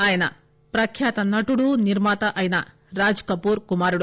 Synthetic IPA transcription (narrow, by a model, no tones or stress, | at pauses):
aːjɐnɐ̰ | pɾɐkʰjaːt̪ɐnɐʈuɽuniɾmaːt̪ɐʔɐjɐnɐ | ɾaːd͡ʒkɐpuːɾkumaːɾuɽu